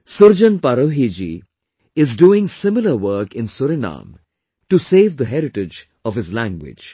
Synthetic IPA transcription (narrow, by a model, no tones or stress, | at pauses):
sɪɾd͡ʒə̃npaɾoɦid͡ʒḭ | ɪzɖuɪ̃ŋsɪmɪləwəɾkɪ̃nsʊɾɪnã̰ːm | ʈuseːʋd̪əɦɛɾɪʈɪd͡ʒ | ɔʋhɪzlæ̃ŋɡwɪ̰d͡ʒ